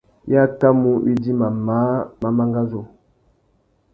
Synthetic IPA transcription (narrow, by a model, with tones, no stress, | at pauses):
ja˦˨ta˦mu˦ḭ˦di˦ma˨ma˨˦ma˦ma˦ŋɡa˦zo˨